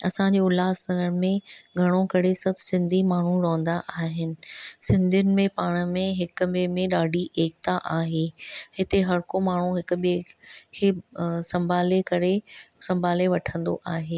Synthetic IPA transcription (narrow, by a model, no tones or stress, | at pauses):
ɐsãɲd͡ʑeːʊlaːsɐɡəɾmẽɡʱɐɽ̃okɐɾesɐbʱsɪ̃nd̪ʱimaːɳ̤uɾoːə̃nd̪aʔaːɦɪnɪ̆sɪ̃nd̪ʱijʊnɪ̆mẽpaːɽ̃mẽɦɪkʊ̆ɓemẽɗaːɖʱiʔeːk̚t̪aʔaːɦeːɦɪt̪eɦɐɾkomaːɳ̤uɦɪkʊ̆ɓekʰeːsɐ̃mbʱaːlekɐɾesɐ̃mbʱaːleʋɐʈʰə̃nd̪o̰ʔaːɦeː